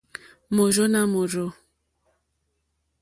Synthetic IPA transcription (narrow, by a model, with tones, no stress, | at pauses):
mo˨ɾo˦na˦mo˨ɾo˦